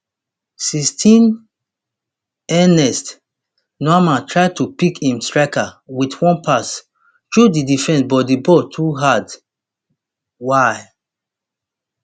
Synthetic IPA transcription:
sistʰĩn | ɛnɛst | nɔamãntʰɹaɪd̚tupikhĩmstɹakawitwɔ̃npʰas | tɹudidifɛ̃nsbɔdibɔtʰuɦad | waɪ

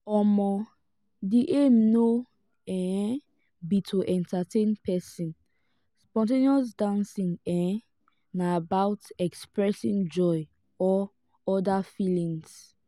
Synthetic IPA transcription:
ɔmɔ | diʔemno | ɛ̃ | bitʰoʔɛ̃ntʰatẽnpɛsĩn | spɔ̃nteniɔsdãnsĩŋɛ̃ | naabaʊtɛkspɹɛsĩnd͡ʒɔɪ | ɔ | ɔdafilĩŋs

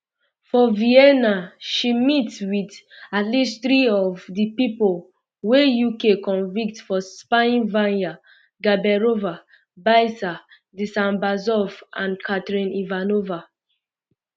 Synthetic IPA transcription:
fɔviɛnaʃimitwidatlisθɾiɔvdipipol | wejukekɔ̃nvik̚tfɔspãnvãnja | ɡabɛɹova | baɪsa | disãmbazɔvãnkʰatɹĩnivanova

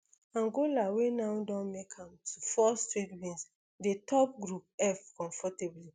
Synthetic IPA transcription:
ãnɡolawenaʊdɔ̃nmekʰãmtʰufɔstɹitwĩns | detʰɔp̚ɡɹup̚ɛfkɔ̃ɱfɔtebli

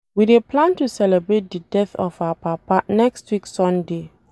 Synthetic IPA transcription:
wideplãntusɛlɛbɹet̚dədɛθɔfaapʰapanɛkstwiksɔ̃nde

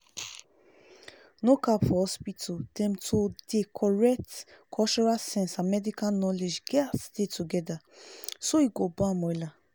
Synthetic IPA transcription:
nokaphɔspitʰud̥ɛ̃mtʰudekʰɔɹɛk̚tkʰɔt͡ʃɔɹasɛ̃nsamɛdikãnnɔled͡ʒɡɛdetuɡɛdasoiɡobɔ̃amɔ̃ila

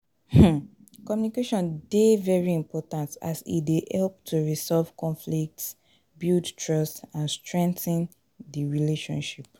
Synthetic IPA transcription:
h̩ | kɔmjunikeʃɔ̃ndevɛɹiĩmpʰɔtãnta̰sḭdeʔɛlp̚tʰuɹisɔlv̥kʰɔ̃nflik̚ts | bildtʰɹɔstãnstɹɛ̃ŋtə̃n | diɹileʃɔ̰̃nʃip

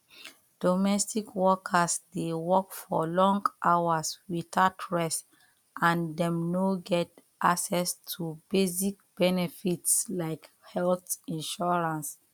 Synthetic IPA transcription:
d̥omɛstikwɔkʰasdewɔkfɔlɔ̃ŋɡʔawaswitatʰɹɛs | ʔãndɛ̃mnoɡɛt | ʔaksɛstʰubezik̚b̥ɛnefitslaɪk | hɛlθĩnʃɔɹãns

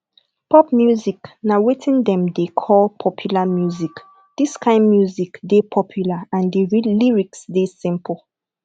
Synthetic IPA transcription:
pɔpmjuziknawetʰĩndɛ̃mdekʰɔlpʰɔpʰjulamjuzik | d̥iskãɪ̃nmjuzikdepʰɔpʰjulaãndəɹiliɹiksdesĩmpəl

